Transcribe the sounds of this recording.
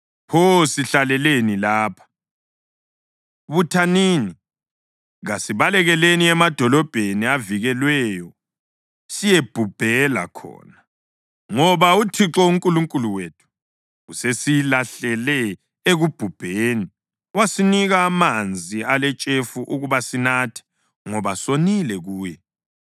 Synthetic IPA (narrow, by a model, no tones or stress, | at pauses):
posiɬalɛlenilaːpʰḁ | βutʰaniːni | ɣasiβalɛɣɛleniɛmad̥ʱɔlɔb̥ʱeniaviɣɛlwɛjɔ | sijeb̥ʱub̥ʱɛla̰kʰɔ̰ːna | ŋɔβautʰiǁɔuŋkʼuluŋkʼuluweːtʰu̥ | ɣusesilaɬɛlɛ | eɣub̥ʱub̥ʱeːni | wasiniɣaːmand͡zʱialɛt͡ʃʼefuʔuɣuβasinaːtʰɛ̥ | ŋɔβasonilɛɣuːjɛ